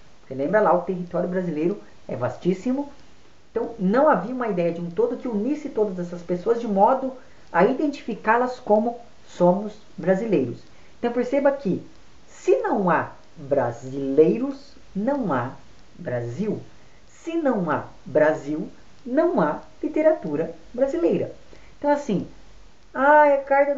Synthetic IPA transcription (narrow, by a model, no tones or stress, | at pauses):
poɾkelẽmbɾɐlaʊt̪eɦit̪ɔɾjʊbɾazilejɾʊ | ɛ̰va̰st͡ʃisimʊ | ẽt̪ɐ̃w̃nɐ̃w̃aviũmɐid̪ɛjɐd͡ʒɪũt̪od̪ʊkɪunisɪt̪od̪ɐzɛsɐspesoɐzd͡ʒɪmɔd̪ʊ | ɐid̪ẽnt͡ʃi̥fikalɐskõmʊ | sõmʊz | bɾazilejɾʊs | eẽt̪w̃peɾsebɐkɪ | sɪnɐ̃w̃a | bɾa̰zilejɾʊs | nɐ̃w̃a̰ | bɾaziw | sɪnɐ̃w̃a̰ | bɾaziw | nɐ̃w̃alit̪eɾat̪uɾɐ | bɾazilejɾɐ̰ | ẽt̪ɐ̃w̃asĩ | ajɐkaɾd̪ɐ